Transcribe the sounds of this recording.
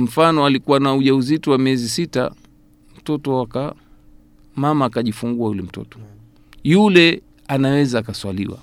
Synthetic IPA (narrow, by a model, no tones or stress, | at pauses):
m̩fanɔalikuwanauʄauzitɔwamiɛzisita̰ | m̩tɔtɔwaka | mamaːkaʄifuŋɡuajulɛm̩tɔ̰tɔ̥ | julɛ | anawɛzaːkaswalḭwa̰